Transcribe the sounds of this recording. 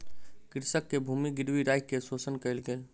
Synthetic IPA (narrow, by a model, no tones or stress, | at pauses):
kɪɾsəkːebʱuːmiɡɪɾwiɾaːɪkːesoːsənkəɪlɡe